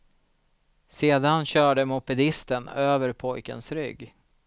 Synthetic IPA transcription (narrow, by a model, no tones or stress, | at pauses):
seːd̪anɕœːɖəmʊpɛd̪ɪst̪ənøːvəɾpʰɔjkə̰nsɾʏ̰ɡː